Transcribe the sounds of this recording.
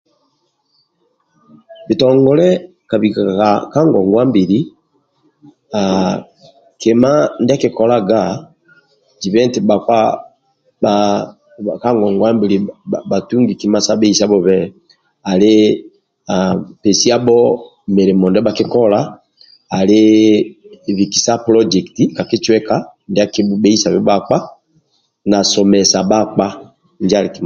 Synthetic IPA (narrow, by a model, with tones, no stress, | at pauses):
bi˨tɔŋɡɔ˨˦lɛ˦ | ka˨βi˨ka˨ka˦ŋɡɔ˨ŋɡwa˦mbi˨ɾi˦ | a˨ | ke˨ma˦ndɛ˦ki˨kɔ˨la˦ɡa˦ | d͡ʒi˨βɛ˦nti˨ba˨kwa˦ | a | ka˦ŋɡɔ˨ŋɡwa˦mbi˨li˨ba˨tu˦ŋɡi˨ki˨ma˦sa˦bɛ˦i˦sa˦bɔ˦βɛ˦ | a˨le˦ | a˨pɛ˨si˦a˦bɔ˦ | mɛ˨ɾɛ˨mɔ˨ndɛ˦ba˦ki˦kɔ˦laː˦˨ | lɪ˦˨ | βi˨ki̥˨sa˦pɾɔ˦d͡ʒɛ˨kti˦ka˨ki˦t͡ʃwɛ˦ka˦ndɛ˦a˦ki˦bɛ˦i˦sa˨βɛ˦ba˦k͡pa˦ | na˨sɔ˨mɛ˨sa˨ba˦k͡pa˦ | nd͡ʒa˦li˨ki˨m